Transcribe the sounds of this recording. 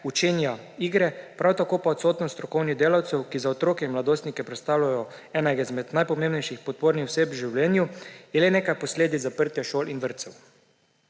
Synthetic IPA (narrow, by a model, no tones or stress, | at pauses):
ut͡ʃeːnjaiːɡɾɛpɾawt̪akoːpaɔt̪soːt̪nɔst̪ɾɔkɔwnid̪eːlawt̪sɛwkizaɔt̪ɾoːkɛinmlad̪oːst̪nikɛpɾɛt̪st̪aːwlajɔɛːnajɡaizmɛd̪najpɔmeːmbnɛjʃixpɔt̪̚poːɾnixwseːpʒiwlɛːnjujɛleneːkajpɔsleːd̪izapəɾt̪jaʃoːlʔinʋəɾt̪sɛw